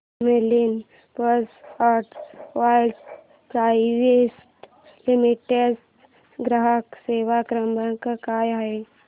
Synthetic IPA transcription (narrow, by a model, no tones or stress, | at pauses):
melin | pəsaɾʈʋajlɖ | pɾajʋesʈ | limiʈes | ɡɾəɦəkseʋakɾəmbakakajaɦe